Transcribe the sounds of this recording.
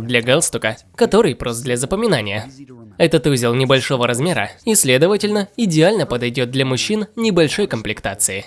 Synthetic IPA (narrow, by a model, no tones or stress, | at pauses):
d̪lʲɐɡalˠst̪ʊkə | kɐt̪o̞ɾɨjpɾosd̪lʲɐzəpəmʲɪnanʲɪjəɛt̪ət̪uzʲɪlˠnʲɪbɐlʲʂo̞vəɾɐzmʲeɾə̰isʲlʲe̞d̪əvətʲɪlʲnəɪdʲɪalʲnəpəd̪ɐjdʲo̞t̪̚d̪lʲɐmʊɕːinnʲɪbɐlʲʂo̞jkəmplʲɪkt̪at̪sɨɪ